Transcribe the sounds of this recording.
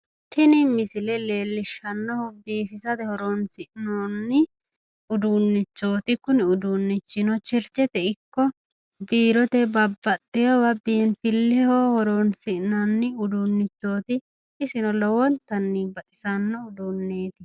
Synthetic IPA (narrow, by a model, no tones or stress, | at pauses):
t̪ʰɪnɪmɪsɪlɛle̞ːlːɪʃɐnːɔhʊbiːfɪsɐd̪ɛhɔɾoːnsɪʔnonːɪ | ʊd̪unːɪt͡ʃːo̞ːt̪ɪkʊnɪʊd̪unːɪt͡ʃːɪnɔt͡ʃɪɾt͡ʃːɛt̪ɛɪkːɔ | biːɾɔt̪ɛbɐbːɐt̪ʼːɪjɐwɐbiːnfɪlːɛhoːhɔɾoːnsɪʔnɐnːɪʊd̪unːɪt͡ʃːo̞ːt̪ɪ | ɪsɪnɔlɔwɔnt̪ɐnːɪbɐt̪ʼɪ̥sɐnːɔʊd̪unːeːt̪ɪ